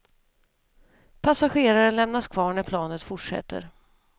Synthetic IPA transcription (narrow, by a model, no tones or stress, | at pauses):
pʰasaɧeːɾaɾənlɛmnaskʰvɑːɳæɾpʰlɑːnət̪fʊʈʂɛ̰t̪ːə̰ɾ